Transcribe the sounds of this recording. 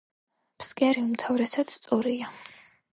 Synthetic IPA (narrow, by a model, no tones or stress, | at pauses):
pʰskʼiaɾiumt̪ʰavɾɛsad̪̥st̪sʼuɾia